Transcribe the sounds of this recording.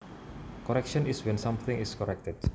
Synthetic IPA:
kɔɾɛkʃɔ̃niswɛ̃nsãmθɪ̃ŋiskɔɾɛk̚t̪ət̚

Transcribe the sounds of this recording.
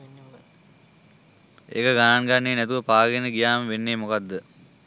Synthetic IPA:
ḛkəɡanaŋɡanːeːnɛt̪uʋəpaːɡenəɡijaːməʋenːeːmokad̪ːə

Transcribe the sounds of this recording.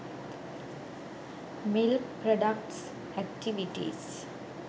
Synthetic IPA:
mɪlkpɾɔɖək̚ʈs | ɛk̚ʈiʋiʈḭs

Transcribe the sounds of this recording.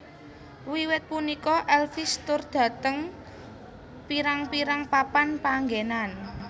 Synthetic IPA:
wiwɪt̪̚punikɔʔɛlfist̪ʊrd̪̥ä̤t̪əŋ | piɾaŋpiɾaŋpapanpaŋɡenan

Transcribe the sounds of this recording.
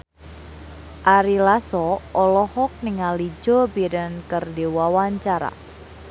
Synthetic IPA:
ʔaɾilasɔʔɔlɔhɔk̚niŋalid͡ʒɔbiɾənkərdiwawaɲt͡ʃaɾa̰

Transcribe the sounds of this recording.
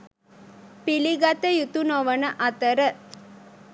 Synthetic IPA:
piliɡat̪əjut̪unoʋənəʔɐt̪əɾə

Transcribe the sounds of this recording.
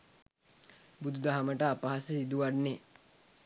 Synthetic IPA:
bud̪ud̪aɦaməʈəapaɦasəsid̪uʋaɖne

